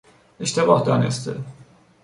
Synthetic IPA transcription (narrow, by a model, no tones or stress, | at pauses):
eʃt̪ebɒːhd̪ɒːnḛst̪ʰe